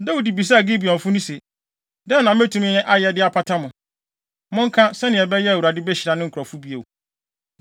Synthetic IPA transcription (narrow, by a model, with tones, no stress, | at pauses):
da˦u˨di˨bi˨s̬a˦˨ɡɪ˦bi˨ɔ̃˨fʊ̃˦nʊ̃˦se˨ | dɛ˦nːã˨m̩˦æ˦tʰũ˨mɪ̃˦ɛ˦ʔa˦jɛ˨dɪ˦a˨pʰa˦tʰa˦mʊ̃˨ | mʊ̃˦ŋ̩˦kʰã˦sɛ˦nɪ̃˨ɛ˨bɛ˦jɛ˦æ˨wu˨ɾa˨dɪ˦bɛ˦ɕɪ˨ɾa˨nɪ̃˦ŋ̩˨kʰɔ˨fu˦bi˦e˨o˨